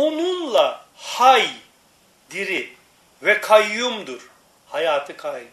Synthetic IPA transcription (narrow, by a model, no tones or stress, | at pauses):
unumla | haj | d̪iɾi | vɛkʰajːumd̪uɾ | hajaːt̪ʰɯkʰaɦi